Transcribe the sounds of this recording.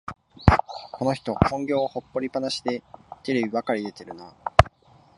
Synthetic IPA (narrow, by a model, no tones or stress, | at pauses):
kʰo̞no̞çi̥t̪o̞kõ̞ŋɡʲo̞ːho̞pːo̞ɾʲipanaɕi̥d̪e̞t̪eɾebʲiβakaɾʲid̪e̞t̪e̞ɾɯ̟na